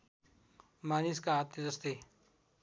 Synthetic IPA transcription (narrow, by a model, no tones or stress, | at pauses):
maːniskaːt̪jəzʌst̪i